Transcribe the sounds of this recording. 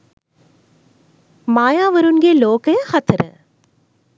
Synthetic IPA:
maːjaːʋɐɾɯnɡeːloːkɐjɐhɐt̪ːɾɐ̰

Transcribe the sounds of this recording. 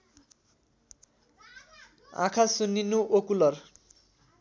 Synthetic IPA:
ã̰kʰasunːinuʔokulʌr

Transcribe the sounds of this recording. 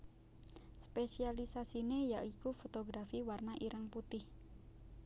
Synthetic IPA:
spesialisasinejaʔikufot̪oɡɾafiwarnaʔiɾʔaŋput̪ɪh

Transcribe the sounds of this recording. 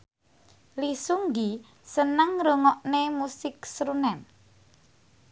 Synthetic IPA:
lisuŋɡi | sənəŋɾoŋɔʔnemusɪk̚sɾunɛn

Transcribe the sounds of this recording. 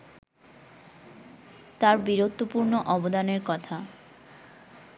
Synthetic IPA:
t̪aɾbiɾot̪ːopuɾnoʔɔbod̪aneɾkɔt̪ʰa

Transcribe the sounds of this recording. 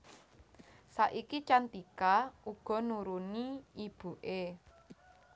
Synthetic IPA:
saʔikit͡ʃant̪ikauɡ̥ɔ̤nuɾuniib̥ṳʔe

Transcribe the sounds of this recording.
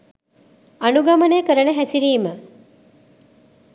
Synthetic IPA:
anuɡamənejəkəɾənəɦæsiɾiːmə

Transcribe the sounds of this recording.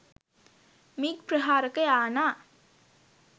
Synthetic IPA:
miːk̚pɾɐɦaːɾɐkɐjaːnaː

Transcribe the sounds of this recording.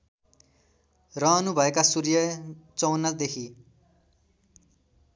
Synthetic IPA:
rʌʌnubʱʌekasurjʌt͡sʌwnʌd̪ekʰi

